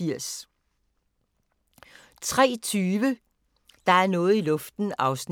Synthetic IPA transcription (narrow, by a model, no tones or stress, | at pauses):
iɐ̰s | t͡sʰʁɛ̰ːt͡sʰyːʋə | d̥ɑ̈æɐnɔ̽ːð̩ˠilɔ̽fd̥n̩ɑ̈ʊsn